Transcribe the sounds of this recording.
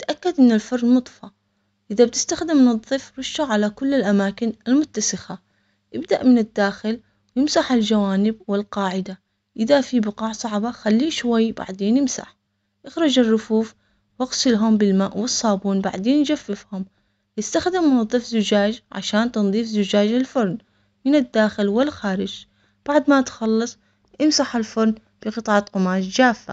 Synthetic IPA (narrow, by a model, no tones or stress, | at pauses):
t̪ʔakːad̪ʔɪnːɪlfɑrːmʊt̪ˤfɑ | ʔɪðab̚t̪ɪ̥st̪axd̪ɪmːnɑðˤːɨfɾʊʃːaʕalakʊlːɪlʔamaːkɪnɪlmʊt̪ːasɪxa | ʔɪbd̪aʔmɪnɪd̪ːaːxɪl | jɪmsaħɪld͡ʒawaːnɪb̚wɪlqɑːʕɪd̪a | ʔɪðafibɪqɑːʕsˤɑʕbaxalːiːʃwajːba̰ʕd̪eːnjɪmsa̰ħ | ʔɪxɾˤɑd͡ʒɪrːʊfuːf | wɪɣsˤɪlɦʊmbɪlmaːʔwɨsˤːɑːbuːnba̰ʕd̪eːnd͡ʒafːɪfhʊm | ʔɪst̪axd̪ɪmːʊnɑðˤːɑfzʊd͡ʒaːd͡ʒʕa̰ʃaːnt̪ɨnðˤiːfzʊd͡ʒaːd͡ʒalfʊɾˤn | mɪnɪd̪ːaːxɪlwɪlxaːɾɪd͡ʒ | b̥aʕd̪mat̪xɑlːɑsˤ | ʔɪmsaħalfʊɾˤn | b̥ɪqɨt̪ˤɑʕat̪qʊmaːʃd͡ʒaːfːa̰